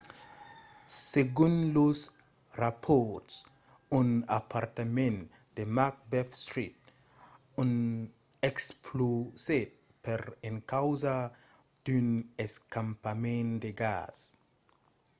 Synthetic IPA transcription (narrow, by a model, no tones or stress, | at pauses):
seɡũnlos | rapʰɔɾts | unapʰaɾt̪amẽn | d̥̪emak̚bɛfst̪ɾit̪̚ | un | ekspʰloset̪̚ | peɾeŋkawza | d̪̥yneskãmpamẽnd̪eɡa̰s